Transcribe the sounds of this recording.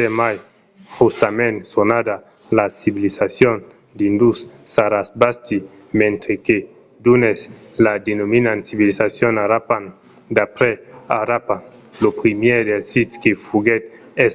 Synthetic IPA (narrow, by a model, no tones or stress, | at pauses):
emaj | xust̪amẽnsonad̪a | lasiβilisasjon | d̪ind̪ussaɾasbast̪i | mẽnt̪ɾeke | d̪unes | lad̪enominansiβilisasjonaɾapan | d̪apɾeaɾapan | lopɾimjed̪elsiskefuɡet̪ | es